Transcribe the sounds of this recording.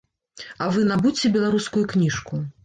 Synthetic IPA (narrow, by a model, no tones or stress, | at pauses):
ɐvɨnabut͡sʲɛbʲɛlˠaɾuskujuknʲiʂku